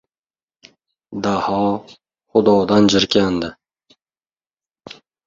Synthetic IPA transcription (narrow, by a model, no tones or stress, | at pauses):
d̪ahɒ | χʊd̪ɒd̪and͡ʒɪɾkʲʰand̪ɪ